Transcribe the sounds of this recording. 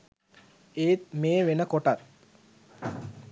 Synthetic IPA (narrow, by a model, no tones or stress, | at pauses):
eːt̪meːʋenəkoʈat̪̚